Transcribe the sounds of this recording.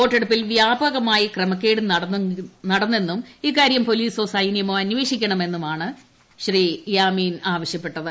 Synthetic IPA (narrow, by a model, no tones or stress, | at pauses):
o̞ːʈːeɽupːilʋjaːbɐɣɐmaːjikrɐmɐkʲːe̞ːɽɨnɐɽɐnɐɽɐnːe̞nːumiːkːaːɾjɐmpo̞liːso̞ːsɐjnjɐmoːɐnʋe̞ːʂikʲːɐɳɐme̞nːumaːɳɨ | ɕrijaːmiːnaːʋɐɕjɐpːe̞ʈːɐðɨ